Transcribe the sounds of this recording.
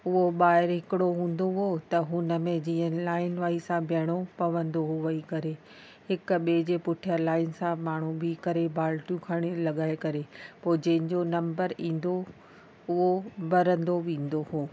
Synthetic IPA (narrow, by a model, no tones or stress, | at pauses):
ʊɦoɓaːɦɪɾɦɪkɪɽoɦũːn̆d̪oɦoːt̪ɐɦʊnə̆mẽd͡ʑiːə̃laːɪnʋaːisãbʱjɐɽ̃opɐʋə̃nd̪oɦʊʋɐikɐɾe | hɪkɓed͡ʑeːpʊʈʰijalaːɪnsãmaːɳ̤ubikɐɾebʱaːlʈjũkʰaːɽ̃elɐɠaːɪkɐɾepoːɪd͡ʑɐ̃ɦɪ̃ɲd͡ʑonɐ̃mbəɾĩːn̆d̪o | ʊɦobɐɾə̃nd̪oʋĩːn̆d̪ohoː